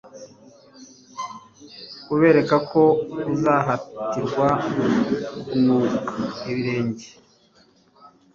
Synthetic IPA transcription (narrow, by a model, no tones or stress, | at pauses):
uβe̞ːɾe̞kakʰo̞uzaɦatiɾɡwa | nuːkaeβiɾeːɲɟe